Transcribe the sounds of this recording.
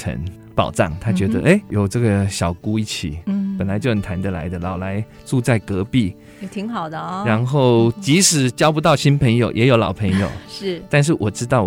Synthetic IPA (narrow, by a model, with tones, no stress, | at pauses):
ə̰˧˥n | pɑ˨˩ʊʈ͡ʂɑ̰˥˩ŋt̪ʰa˦˥t͡ɕɥɛ˧˥d̪ə̰˧ʔe˥˩ɪjo˨˩ʊʈ͡ʂə˥˩ɡə˨˩ɕjɑ˨˩ʊku˥i˥˩t͡ɕʰḭ˨˩˦pə˨˩nla˧˦ɪt͡ɕjo˥˩ə˨˩t̪ʰa˧˥nd̪ə˧˨la̰˧˥ɪd̪ə˧lɑ˨˩ʊla˧˥ɪ | ʈ͡ʂu˥˧t͡sa˥˩ɪkɤ˧˥pi˥˩ | t̪ʰi˧˥ŋxɑ˨˩ʊd̪ə˦a˧˦˥nxo˥˩ʊt͡ɕi˧˥ʂɻ̩˨˩˦t͡ɕjɑ˥ʊp̬u˧˥t̪ɑ˥˩ʊɕi˥npʰə˧˥ŋjo˨ʊjʔɛ˧˥jo˧˥ʊlɑ̰˨˩ʊpʰə˧˥ŋjo˨˩ʊʂ̩˥˩t̪a˥˧nʂ̬ɻ̩˥˩wʔɔ˨˩ʈ͡ʂɻ̩˥t̪ɑ˥˩ʊ